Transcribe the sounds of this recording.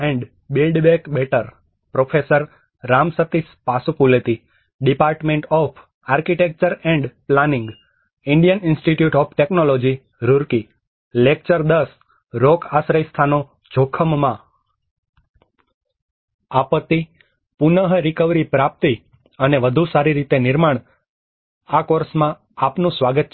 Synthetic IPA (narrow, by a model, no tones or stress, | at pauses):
ɛ̃ɳɖ | bilɖbekbeʈəɾ | pɾofʰesəɾː | amsət̪ispasupulet̪i | ɖipaɾʈmẽɳʈɔpʰ | aɾkiʈek̚t͡ʃəɾɛ̃ɳɖplanĩŋɡ | ɪɳɖijəninsʈiʈjuʈɔpʰʈeknolod͡ʒi | ɾuɾki | lek̚t͡ʃəɾd̪əs | ɾokʰasɾəjst̪ʰano | d͡ʒʱokʰəmːã | apət̪ːi | punəɦɾikəʋɾipɾap̚t̪i | əneʋəd̪ʱusaɾiɾit̪enɪɾmaɳ̃ | akoɾsmã | apnũsʋaɡət̪̚t͡ʃʰ